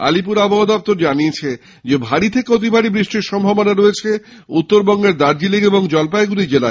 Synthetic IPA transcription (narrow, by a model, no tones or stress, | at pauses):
a̰lipuɾaboɦad̪ɔp̚t̪oɾd͡ʑaniet͡ɕʰe | d͡ʑebʱaɽit̪ʰekeot̪̬ibʱaɾibɾiʃʈiɾʃɔmbʱabonaɾoet͡ɕʰe | ut̪ːoɾbɔŋɡeɾd̪aɾd͡ʑilikeboŋd͡ʑɔlpaeɡulid͡ʑela